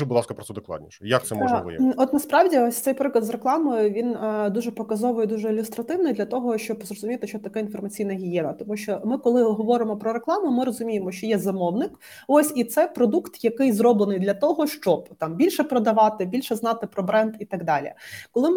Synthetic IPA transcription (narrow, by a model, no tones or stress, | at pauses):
bʊd̪lˠɑ̰skɐpɾɔt̪ɛd̪oklˠɑ̰dʲnʲḭʃɛjɐk̚t̪sɛ̰mɔɐbʊ̰jɛ̰ɔt̪nɐspɾɑwdʲiɔsʲtsɛjpɾɪklˠɐd̪zreklˠɑmɔjʊʋʲind̪uʒɛpɔkɐzɔʋʊjɛd̪uʒɛilʲʊst̪ɾɐt̪ɪwnɪjd̪lʲɐt̪ɔɦɔʃt͡ʃɔbzrɔzʊmʲijt̪ɪʃt͡ʃɔt̪ɐkɛinfɔrmɐt͡sʲijnɐɦʲijɛnɐt̪ɔmuʃʲt͡ʃɔmɪkɔlˠɪɦɔʋɔɾɪmɔpɾɔɾeklˠɑmʊmɪɾɔzʊmʲijemɔʃt͡ʃɔjɛzɐmɔwnɪk | osʲit̪sɛpɾɔd̪ukt̪jɐkɪjzɾɔblˠenɨjd̪lʲɐt̪ɔɦɔʃt͡ʃɔbt̪ɑmbʲilʲʃɛpɾɔd̪ɐʋɑt̪ɪbʲilʲʃɛznɑt̪ɪpɾɔbɾɛnd̪it̪ɐɡd̪ɑlʲḭkɔlˠɪm